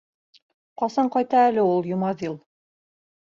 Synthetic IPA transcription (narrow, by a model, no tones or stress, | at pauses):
qɑsɑɴqɑjt̪ɑælɘulˠjŭmɑðilˠ